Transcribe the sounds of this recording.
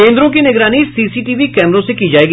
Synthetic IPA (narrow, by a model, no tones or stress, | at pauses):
ẽːnd̪ɾõːkinɪɡɾaːnisiːsiːʈiːʋiːkɛːməɾõːsekiːd͡ʒaːeːɡ